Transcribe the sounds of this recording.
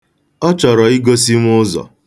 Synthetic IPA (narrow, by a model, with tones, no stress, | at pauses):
ɔ˦t͡ʃɔ˨ɾɔ˨i˦ɡo˦si˦ŋ˦ʊ˦zɔ̰˨